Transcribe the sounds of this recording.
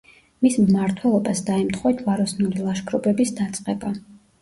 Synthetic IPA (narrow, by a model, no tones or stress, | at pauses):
mismmaɾt̪ʰwɛlˠɔbasd̪aɛmt̪ʰχwɔt̪ʰvaɾɔsnulilˠaʃkʰʼɾɔbɛbisd̪at̪sʼqʼɛba